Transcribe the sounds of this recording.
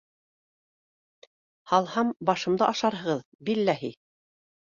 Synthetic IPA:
hɑlˠhɑmbɑʃɤ̆md̪ɤʔɑʃɑɾɦɤ̆ʁɤð | bilːæɦi

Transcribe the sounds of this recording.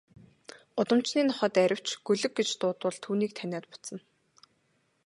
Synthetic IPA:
ʊt̪ə̆m̥t͡ɕniːnɔχə̆ːt̪æɾʲɪ̆w̥t͡ɕɡ̥ɵɮɵ̆k̚ɡet͡ɕt̪ʊːt̪wə̆ɮt̪ʰuːniːk̚t̪ʰænʲaːt̪̚pʊ̥t͡sə̆n

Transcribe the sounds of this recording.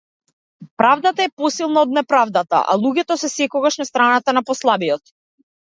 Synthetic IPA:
pɾavd̪at̪aɛpɔsilˠnaɔd̪̚nɛpɾavd̪at̪a̰ʔa̰lˠuɡɛt̪ɔsɛsɛkɔɡaʃnast̪ɾanat̪anapɔslˠabijɔt̪̚

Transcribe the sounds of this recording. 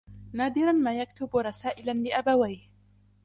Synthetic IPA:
naːd̪ɪɾˤanmaːjakt̪ʊbɾˤɑsaːʔɪlanlɪʔabawajh

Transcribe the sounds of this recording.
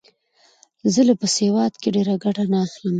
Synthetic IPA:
zəlapəsewɑd̪keɖeɾaɡaɽanɑxləm

